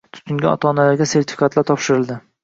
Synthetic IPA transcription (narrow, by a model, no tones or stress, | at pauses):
t̪ʰʊ̥t̪ʰʊŋɡʲaɒ̰t̪ʰaːnalaɾɡʲase̞ɾt̪ʰɪ̥fɪ̥kʰat̪laɾt̪ʰɒpʃɪɾɪlˠd̪ɪ